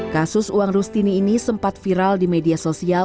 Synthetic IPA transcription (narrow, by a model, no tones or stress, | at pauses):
kasʊsuaŋrust̪iniːnisəmpat̪̚fiɾaldimediasosia